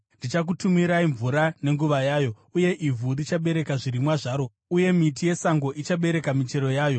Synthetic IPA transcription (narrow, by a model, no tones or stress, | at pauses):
ndit͡ʃak̬utumiɾaiɱvuɾane̞ŋɡuʋajaːjo̞ | uje̞ʔivʱudit͡ʃaɓe̞ɾe̞kaʐiɾimwaʐaːɾo̞ | uje̞mit̬ije̞saŋɡo̞ʔit͡ʃaɓe̞ɾe̞kamit͡ʃe̞ɾo̞jaːjo̞